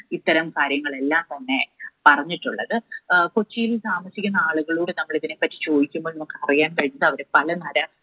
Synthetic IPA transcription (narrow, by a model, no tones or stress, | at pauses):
it̪ːɐɾɐmkaːɾjɐŋːɐɭe̞lːaːmt̪ɐnːe̞pɐrɐɲːiʈːuɭːɐ̰ðɨkot͡ɕːijilsaːmɐsikʲːunːɐaːɭuɣɐɭuːɽenɐmːɐɭiðinepːɐtːi̥t͡ɕo̞ːðikʲːumboːlnɐmukːɨ̥ɐrijaːnpɐɻinɐðɨɐʋɐɾepɐlɐnɐɾɐ